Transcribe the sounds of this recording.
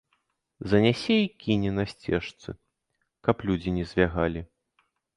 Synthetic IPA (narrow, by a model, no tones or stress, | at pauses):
zɐnʲɛsʲɛikʲinʲɛnɐsʲt͡sʲɛʂt̪sɨ̰ | kɐplʲud͡zʲinʲɛzʲvʲaɣalʲi